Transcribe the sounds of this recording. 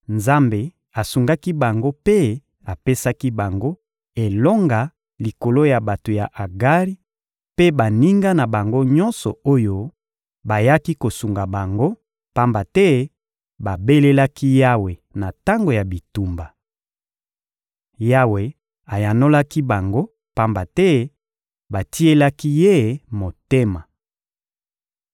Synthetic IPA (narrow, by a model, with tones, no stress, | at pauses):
nza˦mbe˨ | a˨su˨ŋɡa˦ki˦ba˨ŋɡo˦pe˦ | a˨pe˦sa˦ki˦ba˨ŋɡo˦ | e˨lɔ˦ŋɡa˨ | li˨ko˨lo˦ja˨ba˨to˨ja˨ʔa˨ɡa˦ʁi˦ | pe˦ba˨ni˦ŋɡa˦na˨ba˨ŋɡo˦ɲɔ˦nsɔ̰˨o˦jo˦ | ba˨ja˦ki˦ko˨su˨ŋɡa˨ba˨ŋɡo˦ | pa˦mba˨tɛ˦ | ba˨be˦le˦la˦ki˦ja˦we˨na˨ta˦ŋɡo˨ja˨bi˨tu˨mba˨ | ja˦we˨ | a˨ja˨no˦la˦ki˦ba˨ŋɡo˦ | pa˦mba˨tɛ˦ | ba˨ti˦e˦la˦ki˦je˦mo˨te˦ma˨